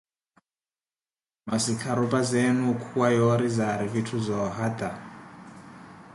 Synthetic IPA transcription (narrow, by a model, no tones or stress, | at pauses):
masikʰaɾupʼazɛnukʰuwajɔɾizaɾivitʰuzʷɔɦad̪a